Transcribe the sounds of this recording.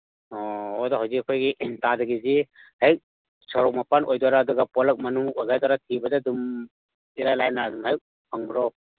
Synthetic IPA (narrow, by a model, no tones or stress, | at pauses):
ɔɔdɔɦawzikːkʰojɡitadɐɡizihajk̚ | sɔɾɔk̚mɐpanʔojdwaɾaːduɡapɔlɐk̚mɐnuŋojɡajdaɾatʰibɐdadum | iɾalajnadumhajk̚ | pʰaŋbɾɔw